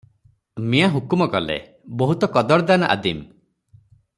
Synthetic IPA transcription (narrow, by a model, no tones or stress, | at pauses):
mijaɦukumɔkɔlḛ | bɔɦut̪ɔkɔd̪ɔɾd̪anɔʔa̰d̪im